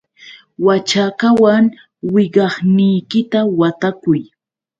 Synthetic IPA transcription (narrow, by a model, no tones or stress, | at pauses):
wat͡ʃakawaŋ | wɪɢɑχnɪjkɪt̪awat̪akʊj